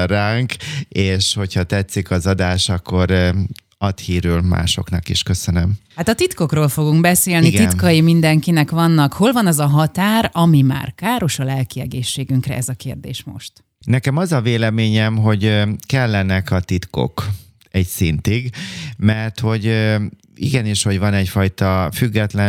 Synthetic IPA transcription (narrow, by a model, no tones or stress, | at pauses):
ɾaːŋkeːʃho̞chɒt̪ɛt̪sikɒzɒd̪aːʃɒkːo̞ɾ | ɒt̪hiːɾylma̰ːʃo̞̰knɒkiʃkø̞sønømhat̪ɒt̪it̪ko̞kroːlfo̞ɡuŋkbɛseːlniɡ̪inkɒjimind̪ɛŋkinɛkʋɒnːɒkho̞lvɒnɒzɒɦɒt̪aːɾɒmima̰ːrkaːɾo̞ʃɒlɛlkiɛɡeːʃːeːɡyŋkrɛ̰ʔɛzɒkeːrd̪ḛːʃmo̞̰ʃt̪ | nɛkɛmɒzɒveːlɛmeːɲɛmɦo̞ɟkɛlːɛnɛkɒt̪it̪ko̞̰k | ɛcsint̪iɡmɛrt̪ho̞ɟ | ḭɡɛniːʃho̞ɟvɒnɛcfɒjt̪ɒfyɡːɛt̪lɛ